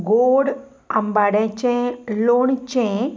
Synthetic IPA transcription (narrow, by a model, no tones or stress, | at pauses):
ɡoɽ | əmbaɽẽt͡ɕẽloɳt͡ɕẽ